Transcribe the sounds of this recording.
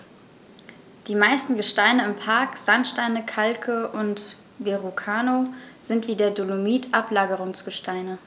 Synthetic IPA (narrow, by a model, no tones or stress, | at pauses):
d̥iːmaɪstn̩ɡəʃtaɪnəɪmpʰaɐkz̥anʃtaɪnəkʰalkʰəʔʊnt | veʁukʰaːnoz̥ɪntv̥iːdeːɐdolomiːtʰʔaplaːɡəʁʊŋsɡ̥əʃtʰaɪnə